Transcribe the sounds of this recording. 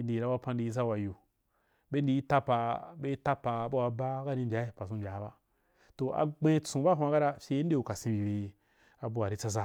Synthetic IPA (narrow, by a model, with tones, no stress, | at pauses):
ndi˨i˨ɾa˦wa˧pa˧n˦di˧i˦z̬a˦˨wa˨ju˨ | be˦n˦di˧ji˦ta˦pa˧be˦i˦ta˦pa˧˨˦ba˦wa˧ba˦ka˦ni˧mbʲa˨˦i˦˨pa˨sũ˧mbʲa˨˦ba˦ | to˨a̰˨ɡ͡bẽ˦t͡sũ˨ba˦˨ɦa˧ka˦ɾa˧fʲe˧˦n˦e˦˨u˨ka˨sĩ˧bi˨be˧ | a˨bu˧a˨ɾi˦t͡sa˦z̬a˦